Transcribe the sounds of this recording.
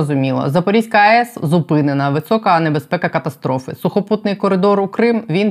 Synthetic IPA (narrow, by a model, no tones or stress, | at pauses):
ɔzʊmʲilˠɐ̰zɐpɔɾʲisʲkɐɐɛszʊpɪnenɐʋɪsɔkɐnebespɛkɐkɐt̪ɐst̪ɾɔfɪ̰sʊxɔput̪nɪjkɔɾɪd̪ɔɾukɾɪmʋʲin